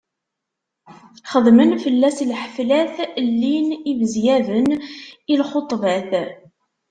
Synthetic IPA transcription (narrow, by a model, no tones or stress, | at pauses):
χəðˤmənfəlːæslħəflæθlːinivəzjævənilχot̪ˤvæθ